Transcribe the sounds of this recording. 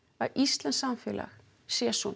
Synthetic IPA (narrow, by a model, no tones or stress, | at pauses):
aɾist̪lɛnsamfɛːlʔa̰x | sɛːsun